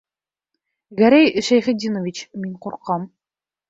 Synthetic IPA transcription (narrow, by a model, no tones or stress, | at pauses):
ɡæɾæjʃæjχɘ̆d̪ʲinovʲit͡ɕmiɴquɾqɑm